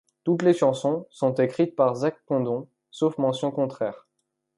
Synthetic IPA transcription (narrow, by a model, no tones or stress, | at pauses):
t̪ut̪leʃɑ̃sɔ̃sɔ̃t̪ekχit̪̚paʁzak̚kɔ̃d̪ɔ̃ | sofmɑ̃sjɔ̃kɔ̃t̪χɛːʁ